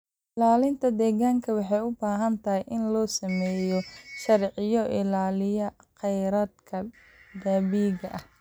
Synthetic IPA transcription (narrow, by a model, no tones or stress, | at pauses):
ʔɪlaːlɪnt̪ʰɐd̪ɛːɣaːŋkʰɐwɑħɑjʊbaːɦɐnt̪ʰɐɦɛjʔɪnlɔːsɐmɛːjɔʃɐrʕɪjɔʔɪlaːlɪjɐqɛjɾɐːd̪kʰɐ | d̪aːbiːɣɐʔɐh